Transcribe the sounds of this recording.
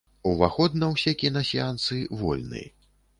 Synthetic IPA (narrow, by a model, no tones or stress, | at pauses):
uvaxɔd̪̚nɐwsʲɛkʲinɐsʲiant̪sɨvɔ̰lʲnɨ̰j